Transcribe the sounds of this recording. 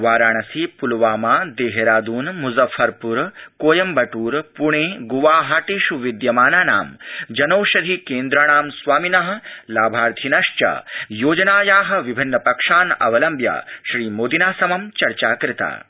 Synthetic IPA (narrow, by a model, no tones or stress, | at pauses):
ʋaːɾaːɳ̃ɐsiːpulʋaːmaːd̪eːɦeɾaːd̪uːnmuzɐfʰːɐɾpuɾkoːjɐmbɐʈuːɾpuɳ̃eːɡuʋaːɦaːʈiːʃuʋid̪jɐmaːnaːna̰ːmd͡ʒɐnoːʃɐd̪ʱikeːnd̪ɾɐɽ̃aːmsʋaːminɐɦɐ̆laːbʱaːɾt̪ʰinɐʂt͡ʃɐ̰joːd͡ʒɐnaːjaːɦɐ̆ʋibʱinːɐpɐkʂaːnɐ̰ʋɐlɐmbja̰ːʃɾiːmoːd̪inaːsɐmɐmt͡ʃɐɾt͡ʃaːkɾɪt̪a̰ː